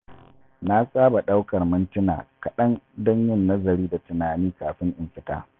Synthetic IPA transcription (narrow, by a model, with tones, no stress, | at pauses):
na˦sʼaː˦ba˨ɗa˦wkɐ˨rmɪ˦ntɪ˦na̰ː˨kɐ˨ɗɐ˦ndɐ˦ɲjɪ˦nːɐ˦zɐ˨ɾiː˦da˨tʊ˨naː˨niː˦kaː˨ɸɪ˦ŋʔɪ˨mɸɪ˦ta̰ː˦